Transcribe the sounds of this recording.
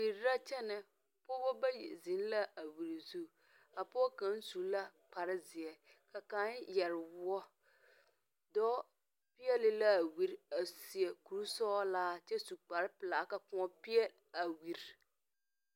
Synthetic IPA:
wi˨ɾɾa˦t͡ʃɛ˦nɪ˨ | pɔ˦bɔ˦ba˦j̰zɪ˨˦n˦la˦ʔa˨wi˨ɾi˨zu˦ | a˨pɔ˦ka˨˦n̩˦su˨la˦k͡pa˨ɾɪ˦zɪ˨ɛ˨ | ka˨ka˦njɛ˨ɾɪ˨wʊ˦ɔ˦ | dɔː˦ | pɪ˦ɛ˦lɪ˦la˦˨wi˨ɾa˨si˨ɛ˨ku˨ɾu˦sɔː˦laː˦t͡ʃɛ˦su˨k͡pa˨ɾɪ˦pɪ˨la˨ka˨kʊ̃˦ɔ˦pɪ˦ɛ˦l | a˨wi˨ɾ

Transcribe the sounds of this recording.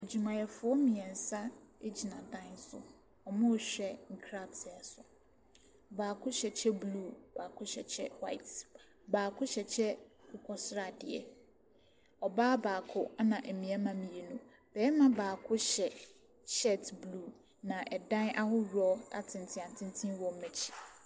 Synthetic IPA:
e˨d͡ʑi˨mã˨jɛ˨fʊ˨˦ɔ˦mĩ˨ɛ˨n̩˨sa˦e˦d͡ʑi˨nã˨dã˦nsʊ̰˨ | ɔ˨mʊ̃˦˨ɕᶣɛ˦ŋ̩˨kʰɾa˦bsɛ˨sʊ˨ | baː˨kʰʊ˦ɕɛ˨t͡ɕʰɛ˦blu˦˨baː˨kʰʊ˦ɕɛ̰˨t͡ɕʰɛ˦wa˦ɪ˨t | baː˨kʰʊ˦ɕɛ˨t͡ɕʰɛ˦kʊ˦kʰɔ˦sɾa˦˨dɪ˨ɛ̰˨ | ɔ˨baː˦baː˨kʰʊ˦a˦nã˨ʔ̩˨mĩ˨˦a˦mã˨mĩ˨e˨nũ˦ | b̥ɛː˨˦mã˦baː˨kʰʊ˦ɕɛ˨ | ɕɛ˦tbluː˦˨ | nã˨ʔɛ˨dã˦nʔa˦hʊ˦ɾu˨˦ɔ˦a̰˦tʰɪ̃˨n˨tʰɪ̃˦˨ã˨n˨tʰɪ̃˦n˦tʰĩ˦wɔ̃˨˦mɛ˨t͡ɕʰi̥˨

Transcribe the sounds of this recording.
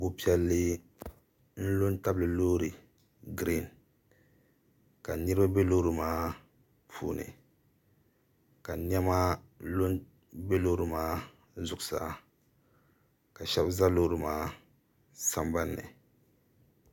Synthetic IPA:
bo˦pi˦ɛ˦lːɨ˦ | n̩˦lo˦nta˦blɨ˨loː˦ɾɨ˨ | ɡɾi˦˨n | ka˨nɨ˦ɾɨ˦ba˦be˦loː˦ɾɨ˨maː˦ | pʰṵː˦nɨ̰˨ | ka˨nɛ˦ma˦ | lo˦n | be˦loː˦ɾɨ˨maː˦ | zʊ˨ksa̰˦ | ka˨ʃɛ˦bza˦loː˦ɾɨ˨maː˦ | sa˦mba˦nːɨ̰˨

